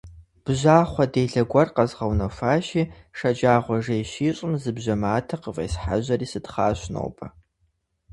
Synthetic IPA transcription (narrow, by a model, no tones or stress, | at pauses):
b̥ʒaːχʷɔdeːɮɐɡʷɐrqɐzʁɐwnɐfaːʃiːʂɐd͡ʒaːʁʷɔɐʐejʃiːɕʷʼʊmzɨbʒɐmaːtʰɐqəvḛsħa̰ʒɐriːsɨdχaːɕno̰wpʰɐ